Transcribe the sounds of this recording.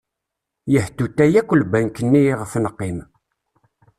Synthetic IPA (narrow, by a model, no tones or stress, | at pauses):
jəht̪ːut̪ːæjækʷːəlbænkənːiʁəfnəqːim